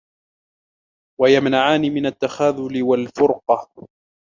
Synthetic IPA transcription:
wajamnaʕaːnɪmɪnat̪ːaxaːðʊlɪwalfʊɾqɑ

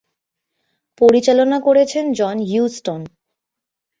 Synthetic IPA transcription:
poɾit͡ɕalonakoɾet͡ɕʰend͡ʑɔnjusʈon

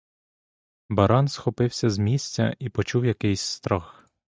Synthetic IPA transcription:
bɐɾɑnsxɔpɪwsʲɐzmʲisʲtʲɐ̰ipɔt͡ʃuwjɐkɪjsʲst̪ɾɔx

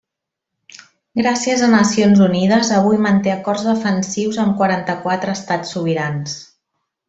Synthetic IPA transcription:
ɡɾasiəzənəsionzuniðəzəβ̞ujmənt̪eəkɔrzðəfənsiwzəmkwəɾant̪əkwat̪ɾəːst̪asːuβ̞iɾans

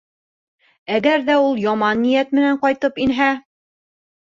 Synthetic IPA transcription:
æɡæɾðæulˠjɒmɑnːijæt̪̚mɘ̆næɴqɒjt̪ɤpinɦæ

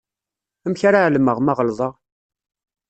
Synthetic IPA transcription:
əmçaɾaʕləməʁmɑʁəlðˤəʁ

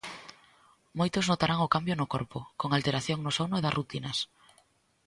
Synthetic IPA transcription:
mojt̪ʊznot̪aɾaŋʊkambjonʊkɔɾpʊkoŋalt̪eɾaθjoŋnʊsonʊeðɐsrut̪inɐs

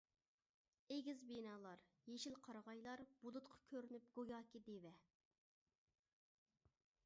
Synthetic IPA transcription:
eɡʲizbenɑːlˠɑɾ | jeʃilqʰɑɾʁɑjlˠɑɾb̥ulˠut̪qʰɑ̥kʲʰøɾynyp̚ɡ̥ojɑːkʲid̪evɛ

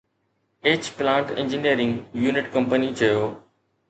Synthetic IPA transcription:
eːt͡ɕplãːɳʈɪ̰̃ɲd͡ʑɪnijəɾɪ̃ŋɡjuːnɪʈkɐ̃mpənit͡ɕʰɐjoː

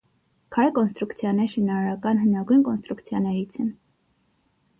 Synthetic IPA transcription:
kʰɑjkɔnst̪ɾukt͡sʰjɑnɛɾʃinɑɾɑɾɑkɑnɦənɑɡujnkɔnst̪ɾukt͡sʰjɑnɛɾit͡sʰɛn

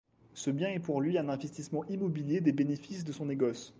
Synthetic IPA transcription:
səbjɛ̃ɛpuʁlɥiɛ̃nɛ̃vɛst̪ismɑ̃ʔimɔbiljed̪ebenefisd̪əsɔ̃neɡɔs

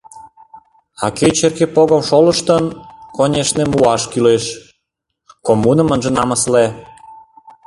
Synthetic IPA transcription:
ɑ̰ket͡ɕerkepoɣə̆mʃolə̆ʃt̪ənkonʲeʃnemuɑʃkyleʃ | komunə̆mənʒĕnɑməsle

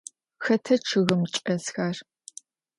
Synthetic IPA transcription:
xɐtʰɐt͡ʃʰɨɣɨmt͡ʃʼɐsxaːr

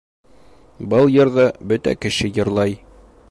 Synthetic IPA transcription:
bɤlˠjɤ̆ɾðɤbɵt̪æ̰kɘ̆ɕɘjɤ̆ɾlˠɑj

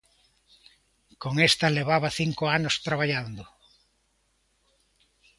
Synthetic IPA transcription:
koŋest̪ɐleβaβɐθiŋkʊanʊst̪ɾaβaʎand̪ʊ

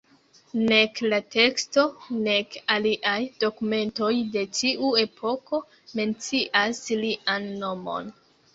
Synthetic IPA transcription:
ne̞klate̞kstone̞kaliʔajd̥o̞kume̞nto̞jde̞t͡ʃiʔue̞pʰo̞ko̞ | me̞nt͡siʔasliʔanːo̞mo̞̰n

